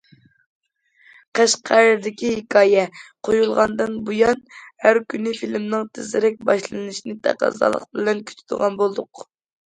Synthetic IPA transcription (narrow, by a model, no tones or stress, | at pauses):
qʰæʃqʰæɾɾd̪ɪkʲihɪkʰɑːjɛqʰojulˠʁɑnd̪ɨnbujɑnhæɾkʲynɪfilmnɨŋt̪ʰɪzɪɾɛk̚ʲbɑʃlˠɨnɨʃinɨt̪ʰæ̰qɑ̰zɑ̰lˠə̰qbɪlɛnkʲʰy̥t̪ʰɪd̪̥ɨʁɑnbolˠd̪ʊq